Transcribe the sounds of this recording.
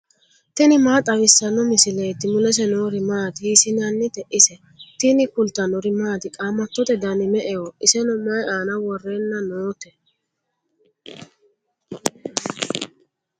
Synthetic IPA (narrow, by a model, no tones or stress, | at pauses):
t̪ɛnɪmaːt̪ʼɐwɪsːɐnːɔmɪsɪlejt̪ːɪmʊlɛs̬ɛnoːɾɪmaːt̪ɪɪsɪnɐnːɪt̪ɛʔɪsɛ | t̪ɪnɪkʊlt̪ːɐnɔɾɪmaːt̪ɪkʼaːmːɐt̪ːɔt̪ɛd̪ɐnɪmɛʔɛjɔʔɪsɛnɔmajaːnɐwɔrːeːnːɐnoːt̪ɛ